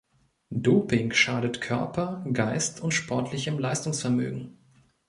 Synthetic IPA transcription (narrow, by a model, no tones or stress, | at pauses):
doːpɪŋʃaːɾətkʰœɐpʰɐɡaɪstʰʊntʃpʰɔɐtʰlɪçəmlaɪstʊŋsfɛɐmø̰ːɡŋ̩